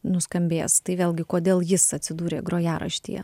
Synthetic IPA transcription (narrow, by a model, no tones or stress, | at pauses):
nʊskɐmʲbʲḛːst̪ɐɪʋʲeːlʲˠɡʲɪkoːd̪ʲeːlˠjɪsɐtʲsʲɪd̪uːɾʲeːɡɾoːjæːɾɐ̰ʃʲt̪ʲḭjɛ̰